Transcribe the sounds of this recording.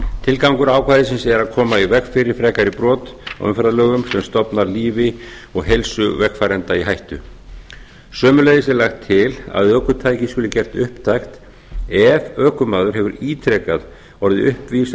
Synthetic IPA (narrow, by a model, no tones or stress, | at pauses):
t̪ʰɪlkawŋkʏɾaːwkʰvaːjðɪsɪnsɛɾaðkʰɔːmaivɛkfɪɾɪɾ̥fɾɛːkaɾɪpɾɔːt̪a̰wʏmfɾaðlœːɣʏmsɛmst̪ɔpnaɾliːvɪ | ɔɣɦejlsʏvɛkfaːɾɛnt̪aiɦajht̪ʏ̰ | sœːmʏleːjðɪsɛɾlaxt̪ʰːɪla̰ðœːkʏt̪ʰaːjcɪskʏlʏcɛr̥t̪ʏhpt̪ʰajxt̪ | ɛvœːkʏmaːðʏɾhɦɛvʏɾiːt̪ʰɾɛːkað | ɔɾðɪ̰ʔʏhpvis